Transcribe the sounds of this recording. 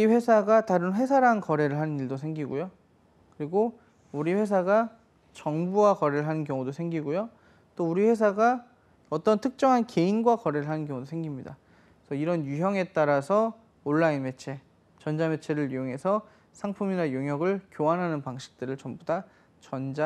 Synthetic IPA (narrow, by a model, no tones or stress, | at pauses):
uiɸwe̞sʰaɡataɾɯnɸwe̞sʰaɾankʌɾe̞ɾɯɭɦanɯniɭdosʰe̞ŋɡiɡujo | kɯɾiɡo | uɾiɸwe̞s̬ʰaɡa | t͡ɕʌŋbuwakʌɾeɾɯɭɦanɯnkjʌŋudosʰeŋɡiɡojo | t͈ouɾiɸwe̞s̬ʰaɡa | ʌt͈ʌntʰɯk̚t͡ɕ͈ʌŋɦanke̞inɡwakʌɾe̞ɾɯɭɦanɯnkjʌŋudosʰeŋɡimɲida | sʰʌiɾʌnjuɦjʌŋe̞t͈aɾasʰʌ | oɭːainme̞t͡ɕʰe̞ | t͡ɕʌnd͡ʑame̞t͡ɕʰe̞ɾɯɭɥijoŋɦe̞sʰʌ | sʰaŋpʰuminajoŋɦjʌɡɯɭkjoanɦanɯnpaŋɕʰi̥k̚t͈ɯɾɯɭt͡ɕʌmboda | t͡ɕʌnd͡ʑa